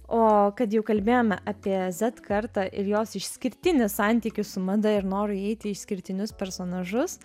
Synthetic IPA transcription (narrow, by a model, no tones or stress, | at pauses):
oːkɐt̪jɛʊkɐlʲbʲeːjoːmʲɛʔɑːpʲiɛzʲɛt̪kɐɾt̪ɑːʔɪɾjoːsɪʃsʲkʲɪɾʲt̪ʲɪnʲʊssɑnʲt̪ʲiːkʲʊssʊmɐd̪ɐɪɾnoːɾʊɛɪt̪ʲɪɪʃsʲkʲɪɾʲt̪ʲɪnʲʊspʲɛɾsoːnɐʒʊs